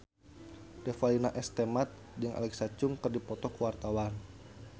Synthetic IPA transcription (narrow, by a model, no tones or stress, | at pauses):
defalinaʔɛst̪emat̪̚ | dəŋa̰lɛksat͡ʃʊŋkɨrdipɔt̪ɔkuwart̪awan